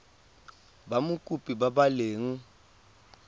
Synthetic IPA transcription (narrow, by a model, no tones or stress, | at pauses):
bamukʼupʼibaɓaleːŋ̩